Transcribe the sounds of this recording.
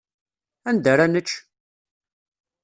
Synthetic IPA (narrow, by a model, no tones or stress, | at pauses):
ænd̪əɾanət͡ʃː